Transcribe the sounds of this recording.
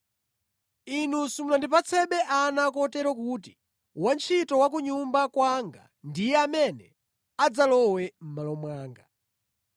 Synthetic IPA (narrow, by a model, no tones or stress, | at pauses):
inusumunandipat͡sʰɛɓɛʔanakɔtɛɾɔkuːti | want͡ʃʰitɔwak̬uɲumbakwaŋɡa̰ | ndijɛamɛnɛ | ad͡zalɔwɛm̩malɔmwaːŋɡa